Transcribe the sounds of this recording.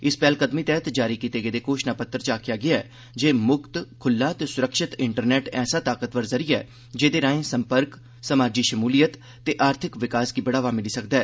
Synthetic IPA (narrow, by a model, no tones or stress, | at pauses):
ɪspɛːlkəd̪miːt̪ɛːət̪d͡ʒaːɾiːkiːt̪eːɡeːd̪eːkoːʃnaːpət̪ːəɾt͡ʃaːkʰɪjaːɡɪjaɛː | d͡ʒeːmʊkt̪kʰʊlːãːt̪eːsʊɾəkʃɪt̪ɪɳʈəɾnɛːʈɛ̰ːsaːt̪aːkət̪ʋəɾzəɾɪja̰ː | d͡ʒeːd̪eːɾãːẽːsəmpəɾk | səmaːd͡ʒiːʃəmuːlijət̪ːeːʔaːɾt̪ʰɪkʋɪkaːskiːbəɽaːʋaːmɪliːsək̚d̪aɛː